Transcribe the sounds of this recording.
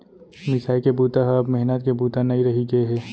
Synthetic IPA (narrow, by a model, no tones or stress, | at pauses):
mɪsaːikebuːt̪aɦɐbmɛɦnət̪kebuːt̪anɐĩɾɐɦiɡɐeɦɛː